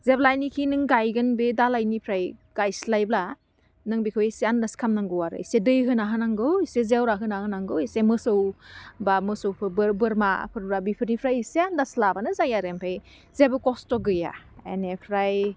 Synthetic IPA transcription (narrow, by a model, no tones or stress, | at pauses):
zeblajnikʰinɯŋɡajɡɯnbedalajnipʰɾajɡ̥ajslajbla | nɯŋbikʰɔjseandaskʰamnaŋɡɯwaɾɯ̰isedɯjɦɯnaɦɯnaŋɡɯwisezewɾaɦɯnahɯnaŋɡɯwisemɯsɯwbamɯsɯwpʰɯbbɯɾma̰pʰɯɾbɾabipʰɯɾnipʰɾajiseandaslabanɯzajaɾempʰej | zebɯkɔstɔɡɯja̰enepʰɾaj